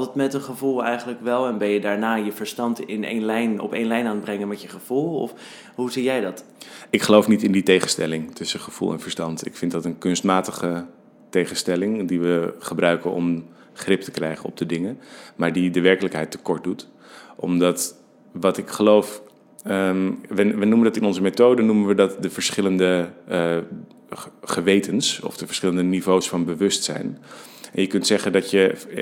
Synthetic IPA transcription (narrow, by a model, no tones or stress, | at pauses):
tətmɛtənχəvulˠɛjχənləkʋɛlˠɛnbɪljədaːɹnaːjəv̥əɹstɑntɪnḛnlɛjnɔ̰pejnlɛjnaːnbrɛŋənmɛtjəχəv̥ulˠɔ̰f | ɦuzijɛjdɑt | ɪkχəlowfnitɪnditejχənstɛlɪŋtɵsəχəv̥ṵlˠɛ̰nvəɹstɑntɪ̰kfɪntdɑtənkɵnstmaːtəχə | tejχənstɛlɪŋdiʋəχəbrœɥkənɔ̰m | χrɪp̚təkrɛjχənɔ̰b̚dədɪŋəmaːɹdidəʋɛɹkələkɦɛjtːə̥kɔɹt̚dut | ʔɔ̰mdɑt | ʋɑtɪkχəlowf | ʋəʋənuməndɑtɪnɔnzəmetowdənumənʋədɑtdəvəɹsχɪləndə | χəʋejtənsɔ̰fd̥əvəɹsχɪləndənivowsfɑnbəʋɵstsɛ̰jn | ɛnjəkɵntsɛχəndɑtjə